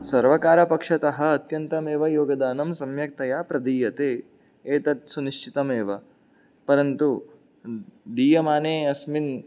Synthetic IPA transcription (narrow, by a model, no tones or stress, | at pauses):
sɐɾʋɐkaːɾɐpɐkʂɐt̪ɐɦɐ̆ɐt̪jɐnt̪ɐmeːʋɐjoːɡɐd̪aːnɐmsɐmjɐk̚t̪ɐjaːpɾɐd̪iːjɐt̪eː | eːt̪ɐt̪suniʃt͡ʃit̪ɐmeːʋɐ | pɐɾɐnt̪u | ɖ̪iːjɐmaːneːɐsmin